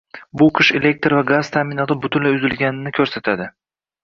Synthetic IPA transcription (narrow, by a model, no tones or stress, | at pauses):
bʊqʰɨʃe̞le̞k̚ʲt̪ɾvaɡaz̥t̪ʰamɪnɒt̪ʰɪbʊt̪ʰʊnlaʊzɪlɡʲanɪnɪkʲʰɵɾsat̪ʰad̪ɪ